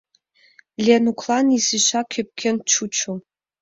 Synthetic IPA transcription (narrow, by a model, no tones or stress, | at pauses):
lʲenukʰlˠɑnisiɕakʲʰøp̚kʲʰent͡ʃʰut͡ʃʰu